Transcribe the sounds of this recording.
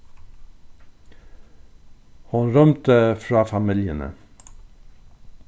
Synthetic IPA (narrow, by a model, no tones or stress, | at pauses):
hʊnɾœmt̪əfɾɑːfɑmɪljənə̰